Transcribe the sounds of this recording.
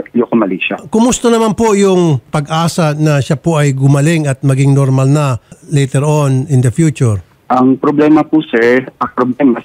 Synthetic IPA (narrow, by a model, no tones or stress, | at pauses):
jokʊmɐliʃakʊmʊst̪ɐnɐmanpojʊŋpɐɡaːsɐnɐʃapoɐjɡʊmɐlɪŋɐt̪̚mɐɡɪŋnoɾmɐlnɐlejt̪ɛɹonɪnd̪ɐfjuːt͡ʃʊɹ | ʔɐŋpɾoblɛːmɐpusɛɹɐŋpɾoblɛma